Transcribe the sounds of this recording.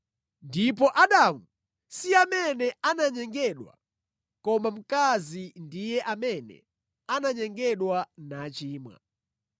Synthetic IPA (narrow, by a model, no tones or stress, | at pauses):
ndip̬ɔʔaɗamu | siamɛnɛanaɲɛŋɡɛɗwa̰ | kɔmam̩kazindijɛʔamɛnɛ̰ | anaɲɛŋɡɛɗwanat͡ʃiːmwa̰